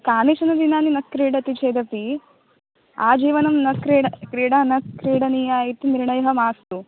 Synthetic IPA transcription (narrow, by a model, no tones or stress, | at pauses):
kaːniʃɐnɐd̪inaːninɐskɾiːɽɐt̪it͡ʃeːd̪ɐpi | a̰ːd͡ʒiːʋɐnɐmnɐkɾiːɽɐkɾiːɽanɐs̚kɾiːɽɐnijaːjit̪iniɾɳɐjɐɦɐmaːst̪u